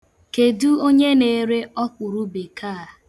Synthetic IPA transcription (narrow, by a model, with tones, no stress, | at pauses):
ke˨du˦o˦ɲe˦ne˨˦ɾe˦ɔ˦k͡pʊ˨ɾu˦be˨kʰaː˦˨